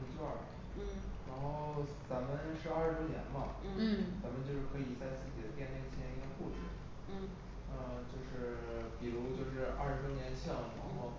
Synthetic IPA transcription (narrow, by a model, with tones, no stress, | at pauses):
t͡ɕa˥˩˥ | ɻa˧˥nxo˥˩ʊt͡sa˧˥mə˧nʂɻ̩˥˧a˥˩˧ʂɻ̩˥t̪wɔ˥njɛ̰˧˥nmɐ˨˥˩t͡sa˧˥mə˧nt͡ɕjo˥˧ʊʂɻ̩˥˩kʰɤ˧˥i˨˩t͡sa˥˧ɪt͡sɹ̩˥˩t͡ɕi˨˩d̪ə˦t̪jɛ˥˧ne˥˩t͡ɕʰjɛ˥i˥kə˧xu˥˩ʈ͡ʂ̩˥˩˥ | ə˥˧˩t͡ɕjo˥˧ʊʂɻ̩˥˩pi˨˩ɻu˧˥t͡ɕjo˥˧ʊʂɻ̩˥˧ʔɐ̰˥˧˩ʂɻ̩˥t̪wɔ˥njɛ˧˥nɕjɑ˥˩ŋɻa̰˧˥nxo˥˩ʊ